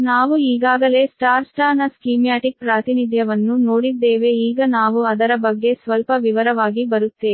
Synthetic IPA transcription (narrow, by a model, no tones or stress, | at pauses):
naːʋuiːɡaːɡɐle̞ːsʈaːɾsʈaːnɐskiːmjaːʈik̚pɾaːt̪inid̪ʱjɐʋɐnːunoːɽid̪ːeːʋe̞iːɡɐnaːʋuɐd̪ɐɾɐbɐɡːe̞sʋɐlpɐʋiʋɐɾɐʋaːɡibɐɾut̪ːeː